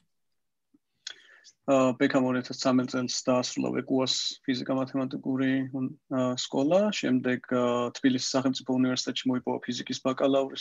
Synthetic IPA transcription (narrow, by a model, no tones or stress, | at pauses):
bɛkʰamɔɾiat̪ʰast̪sʰamɛt̪t̪sʼɛlˠsd̪̥aːsɾulˠa̰vɛ̰kʼuaspʰizikʼamat̪ʰɛmat̪ʼikʼuɾi | skʼɔlˠaʃɛ̰md̪ɛɡ̥t̪ʰb̥ilisi̥sːaχɛlmt̪sʼipʰɔunivɛɾsi̥t̪ʼɛt̪ʃimɔipʼɔva̰pʰizikʼisbakʼalauɾis